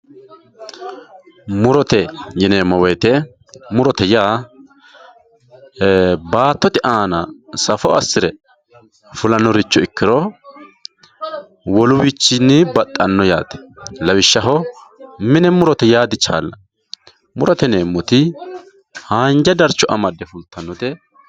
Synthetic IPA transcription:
mʊɾɔt̪ɛjɪneːmːɔwɛjt̪ɛ | mʊɾɔt̪ɛjaː | baːt̪ːɔt̪ɪʔaːnɐsɐfɔɐsːɪɾɛ | fʊlɐnːɔɾɪt͡ʃːɔɪkːɪɾɔ | wɔlʊwɪt͡ʃːɪnːɪbɐt̪ʼːɐnːɔjaːt̪ɛ̥lɐwɪʃːɐɦɔmɪnɛmʊɾɔt̪ɛjaːd̪ɪt͡ʃːa̰ːlːɐ | mʊɾɔt̪ɛneːmːɔt̪ɪ | haːnd͡ʒɐd̪ɐɾt͡ʃːɔʔɐmɐd̪ːɛfʊlt̪ʰːɐnːɔt̪ɛ

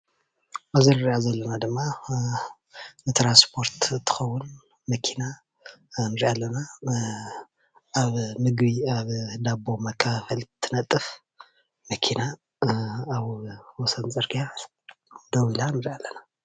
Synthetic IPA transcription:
ʔazinɨɾʔazɐlːɐnad̪ɨmːa | nɨt̪ʰɾanspʰo̞ɾt̪t̪ʰːɨ̥xɐwːʊn | mɐkʰina | nɨɾiʔalːɐna | ʔaβmɨɡβiaβd̪abo̞mɐkʰːafɐlt̪ʰːɨnɐt̪ʼːɨf | mɐkʰinaː | βwɔsɐnt͡sʼɨɾɡa | d̪ɐwilanɨɾiʔalːɐna

